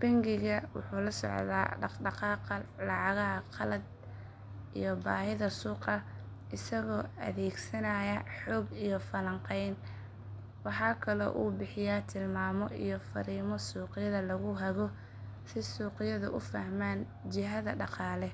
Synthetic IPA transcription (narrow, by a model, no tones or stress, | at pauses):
b̥ɐŋɡɪɣɐwʊ̰ħuːlɐsɔ̰ʕða̰ːɖɖɑqɑːqlɑʕɑɣɐɦɐqʰɑlɐd̪̚ | ʔḭjɔbaːhɪðɐsuːqɐ | ʔɪsɐɣɔːɐ̰ðɛːɡsɐnɐjɐħɔːɡijɔfɐlɐɴqɛjn | wɑħɑːkʰɐlɔ̰ːʔṵːbɪħɪjaːt̪ʰɪlmaːmɔʔḭjɔfɐ̰ɾiːmɔsuːqɪjɐðɐlɐɣʊɦɐɣɔ | sɪsuːqɪjɐðʊ̰ʔʊfɐhmaːn | t͡ʃɪɦɐðɐɖɑqɑːlɛ